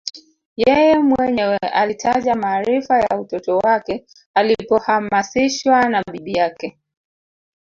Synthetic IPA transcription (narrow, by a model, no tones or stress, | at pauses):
jɛjɛmwɛɲɛwɛʔalitʰaʄamaːɾifajautɔtɔwakɛ | alipɔhamasiʃwanaɓiɓijakɛ